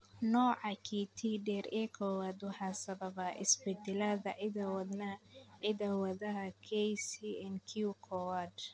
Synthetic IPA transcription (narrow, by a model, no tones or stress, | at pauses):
nɔːʕɑkʰit̪ʰiɖɛːɾɛːkʰɔːwaːd̪ʊhasɐbɐbaʔɪ̰sbɛd̪ɛlaðɐʕɪd̪ɐwɐd̪nɐʕɪdɐwɐðɐɦɐkʰɛjsiɛnkʰukʰɔwad̪